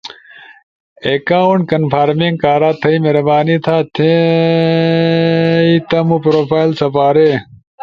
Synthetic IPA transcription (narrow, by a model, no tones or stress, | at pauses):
ekaːuɳkɐnpʰaːɾmiŋɡkaːɾaːt̪ʰɐimeɾɐbaːnit̪ʰaːt̪ʰẽ | it̪ɐmũpɾoːfaːilsɐpaːɾe